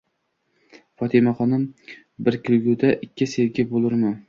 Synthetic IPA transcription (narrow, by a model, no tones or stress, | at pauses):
fɒt̪ʰɪmaχɒnɪm | bɪɾkʲʰɪlɡʲʊd̪aʔɪkʲːɪseɡʲɪbolˠɪɾmɪ